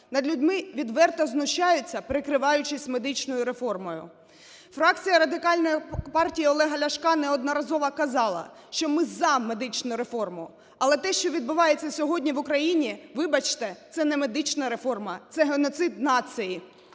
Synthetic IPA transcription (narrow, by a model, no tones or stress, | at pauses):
nɐd̪lʲʊdʲmɪʋʲid̪ʋɛrt̪ɐznʊʃɑjʊt͡sʲːɐpɾɪkɾɪʋɑjʊt͡ʃɪsʲtʲme̞d̪ɪt͡ʃnɔjʊɾe̞fɔrmɔjʊ̰ | fɾɑk̚t͡sʲijɐɾɐd̪ɪkɑlʲnɔjpɑrtʲijiɔlˠɛɦɐlʲɐʃkɑnɛɔd̪nɔɾɐzɔʋɐkɐzɑlˠɐ̰ | ʃt͡ʃɔmɪzɐme̞d̪ɪt͡ʃnʊɾe̞fɔrmʊ | ɐlˠɛt̪ɛʃt͡ʃɔʋʲid̪̚bʊʋɑjet͡sʲːɐsʲɔɦɔdʲnʲiʋʊkɾɐjinʲiʋɪbɐt͡ʃt̪ɛt̪sɛnɛme̞d̪ɪt͡ʃnɐɾefɔrmɐt̪sɛɦenɔt̪sɪd̪nɑt̪sɨji